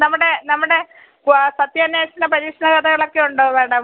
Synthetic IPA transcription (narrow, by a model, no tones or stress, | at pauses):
nɐmːuɽenɐmːuɽe̞ | sɐt̪jɐnjaːɕɐnɐpɐɾiːkʂɐnɐɣɐd̪ɐɣɐɭo̞kːeuɳɖɨʋeːɽɐm